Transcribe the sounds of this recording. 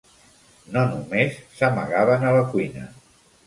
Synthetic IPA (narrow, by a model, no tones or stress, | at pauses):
nonumesːəmə̰ɣaβənələkwuinə̰